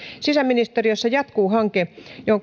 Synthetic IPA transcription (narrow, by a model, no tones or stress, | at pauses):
sisæminist̪erijosːɑjɑt̪kuːhɑŋkejoho